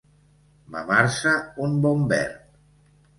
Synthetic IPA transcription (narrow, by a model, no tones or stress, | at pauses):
ba̰βaɾsaumbɔmbɛ̰ɾt̪